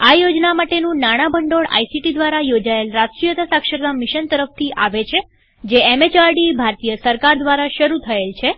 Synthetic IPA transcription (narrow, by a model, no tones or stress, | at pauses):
ajod͡ʒnamaʈenũnaɽ̃abʱəɳɖoɽa̰isiʈid̪ʋaɾajod͡ʒaelɾaskɾijət̪asakʃəɾt̪amiʃənt̪əɾəft̪ʰiʔaʋet͡ʃʰe | d͡ʒeɛmet͡ʃaɾɖibʱaɾt̪ijəsəɾkaɾd̪ʋaɾaʃəɾut̪ʰəelt͡ʃʰe